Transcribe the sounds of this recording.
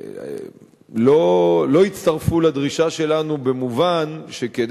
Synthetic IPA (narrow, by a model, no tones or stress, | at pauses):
lolo̞it͡st̪aʁfulad̪ʁiʃaʃe̞lanubemuvanʃeked